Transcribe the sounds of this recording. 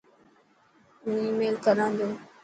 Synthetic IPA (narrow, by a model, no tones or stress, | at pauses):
mũːiːmeːlkəɾãːnd̪oː